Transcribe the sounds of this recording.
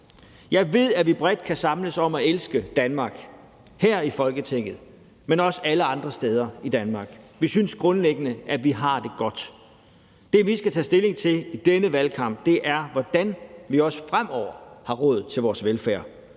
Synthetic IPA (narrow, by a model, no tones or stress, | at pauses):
jɑ̈ɪʋe̝ð̞̰ˠæʋib̥ʁɛd̥̚kʰæsɑ̈mləsɒ̽mæelsɡ̥əd̥ænmɑ̈ːɡ̥ | hæɐ̰ifɒ̽lɡ̥ət͡sʰeŋ̰ð̞̩ˠ | menɒ̽səæləɑ̈nd̥ʁɐsd̥eːð̞ˠɐid̥ænmɑ̈ːɡ̥ʋisynsɡ̥ʁɔ̽nleɡ̥ənəʔæʋiɦɑ̈d̥e̝ɡ̥ɒ̽d̥ | d̥e̝ʋisɡ̥æt͡sʰɛ̰ːsd̥e̝le̝ŋt͡sʰe̝lid̥enəʋælkʰɑ̈m̰b̥̚d̥e̝ʔæɐʋɒd̥ænʋiɒ̽sə̥fʁam̰ɒʊ̰ɐhɑ̈ʁɔ̽ːð̩ˠt͡sʰe̝lʋɒːsʋelfæːɐ̰